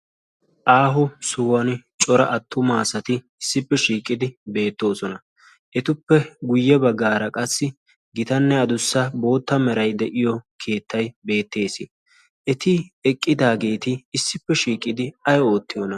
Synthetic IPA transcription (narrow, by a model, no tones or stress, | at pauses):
ʔaːɦʊsʊwɐnt͡ʃʼɔɾɐʔɐt̪ʰːʊmaːsɐt̪ɪ | ɪsːɪpːɛʃiːkʼːɪd̪ɪbe̞ːt̪ːo̞ːsɔnɐ | ʔɛt̪ʊpːɛɡʊjːɛbɐɡːaːɾɐkʼɐsːɪ | ɡɪt̪ɐnːɛɐd̪ʊsːɐbo̞ːt̪ːɐmɛɾɐjd̪ɛʔɪjɔkʰe̞ːt̪ʰːɐjbe̞ːt̪ːe̞ːsɪ | ʔɛt̪ɪɛkʼːɪd̪aːɡe̞ːt̪ɪːsːɪpːɛʃiːkʼːɪd̪ɪɐjɔo̞ːt̪ːɪjɔnɐ